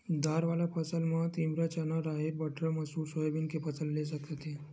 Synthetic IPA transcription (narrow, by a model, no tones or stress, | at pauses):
d̪aɾʋalapət͡səlmat̪ĩmbɾat͡ɕanaɾaɦeɾbəʈʰɾəməsuːɾsojebinkepət͡səlːes̬əkət̪e